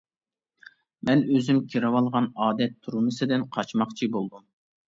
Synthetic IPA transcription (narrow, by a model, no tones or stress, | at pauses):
mɛnøzymkʲʰiɾɑwɑlˠʁɑnɑːd̪ɛt̪ʰːuɾumɨsɨd̪ɪnqʰɑt͡ʃmɑqt͡ʃʰibolˠd̪um